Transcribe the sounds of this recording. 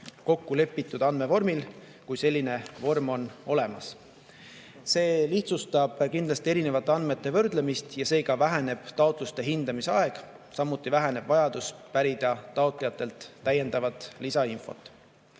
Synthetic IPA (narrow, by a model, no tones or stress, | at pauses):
ko̞kːule̞pːit̪ːˑud̪ɑnd̪me̞vo̞rmil | kujse̞lʲːine̞vo̞rmo̞no̞le̞mɑ̰s | se̞ːliht̪sust̪ɑb̥kind̪lɑst̪ie̞ɾine̞vɑt̪ːˑeɑnd̪me̞t̪ˑːe̞vɤ̞rd̪̥le̞mist̪jɑse̞ːɡ̥ɑvæɦæne̞b̥t̪ɑot̪ˑlust̪e̞ɦind̪ɑmiseɑe̞ɡ̥ | sɑmːut̪ːˑivæɦæneb̥vɑjɑd̪̥uspæɾid̪̥ɑt̪ɑot̪ˑlijɑt̪ːˑe̞lt̪ːæje̞nd̪ɑvɑt̪ˑlisɑinfo̞̰t̪ːˑ